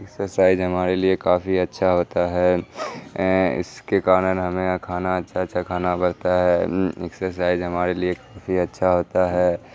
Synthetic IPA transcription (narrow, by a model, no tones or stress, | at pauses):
ɪksəsaːɪd͡ʒɦɐmaːɾeliekaːfiɐtːʃʰaɦoːt̪aɦɛ | ɪ̰skekaːɾənɦɐmẽkʰaːnaɐtːʃʰatːʃʰakʰaːnabɐɽ̤t̪aɦɛɪ̰ksəsaːɪd͡ʒɦɐmaːɾeliekaːfʰiɐtːʃʰaɦoːt̪aɦɛː